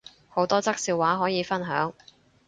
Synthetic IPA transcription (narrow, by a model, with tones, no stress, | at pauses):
ho˨˥wt̪ɔː˥t͡sɐ˥k̚siː˧waː˨˥ɦɔː˨˥jiː˨˧fɐ˥nɦœ̰ː˨˥ŋ